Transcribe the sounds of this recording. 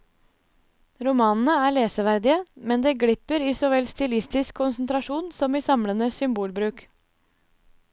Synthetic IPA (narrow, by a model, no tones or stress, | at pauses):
ɾʊmɑːnn̩əæːɭeːsəʋæɾd̪ɪəmɛnd̪eːɡɽɪpəɾiːsɔːʋɛlst̪ɪlɪst̪ɪskʰːʊnsn̩t̪ɾɑʃuːnsɔmiːsɑmlənəsʏmbuːlbɾʉːk